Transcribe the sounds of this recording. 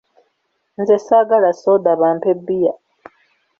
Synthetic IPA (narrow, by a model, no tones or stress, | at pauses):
nzesaɡalasod̪aβaːmpebːija